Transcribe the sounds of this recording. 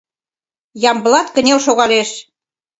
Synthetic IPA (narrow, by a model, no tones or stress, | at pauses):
jɑmbəlɑt̪kə̆nʲelʃoɣɑleʃ